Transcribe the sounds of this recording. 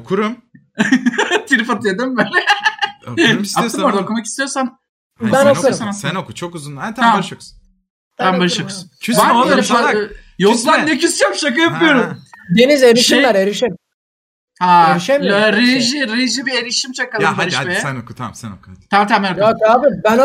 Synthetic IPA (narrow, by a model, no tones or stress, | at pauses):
okʰuɾum | t̪ʰiɾifat̪ɯjed̪ɯmbelɛ | saoɯmboɾd̪aokʰumakist̪ijo̞ɾsan | bænousanasɛnokut͡ʃʰokuzunat̪ʰaamʃok | t̪ʰambaɾɯʃokʰu̥sunʰvaɾalʃa | joklannecʰysjapʃak̬ɯjapɯjoɾumd̪enizeɾiʃimlæɾeɾiʃem | haeɾiʃemɾeʒiɾeʒibieɾiʃimt͡ʃʰakːaleɾiʃmeɛokuaɛnot̪ʰat̪ʰamɛnokokaːbibæn